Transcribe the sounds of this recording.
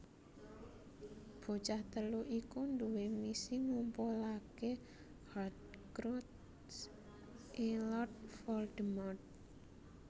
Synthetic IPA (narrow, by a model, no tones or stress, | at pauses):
b̥o̤t͡ʃaht̪əluʔikund̪uwemisiŋumpolake | had̪̚kɾut̪ | s | ʔelɔrt̪̚fɔld̪əmɔt̪̚